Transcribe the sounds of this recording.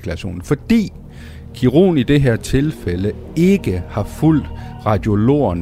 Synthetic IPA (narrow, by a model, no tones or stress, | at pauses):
kʰlæɕo̝̰ːnn̩fɒ̽d̥ḭː | kʰiʁo̝̰ːnid̥e̝ɦeɐ̰t͡sʰe̝lfelə | e̝ɡ̥əhɑ̈ful̰d̥ʁɑ̈d̥jo̝lo̝̰ːɐn